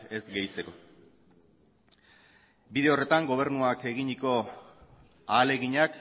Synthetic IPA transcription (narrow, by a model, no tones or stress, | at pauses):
e̞zɡe̞jt͡se̞ko̞ | biðe̞o̞re̞t̪aŋɡo̞β̞e̞ɾnuake̞ɣiɲiko̞ | aːle̞ɣiɲak